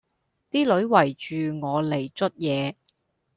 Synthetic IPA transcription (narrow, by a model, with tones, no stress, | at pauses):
t̪iː˥lɵ˨˥ɥwɐ˨˩jt͡ʃyː˨ŋɔː˨˧le˨˩jt͡ʃɵ˥t̚jɛː˨˧